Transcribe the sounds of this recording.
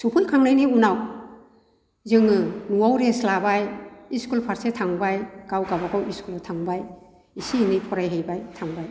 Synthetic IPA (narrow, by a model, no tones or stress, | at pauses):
supʰulkʰaŋnajniunaw | zɯŋɯnuwawɾeslabajiskulpʰaɾsetʰaŋbajɡ̥awɡabaɡawiskultʰaŋbaj | isinipʰɔɾajɦejbajtʰaŋbaj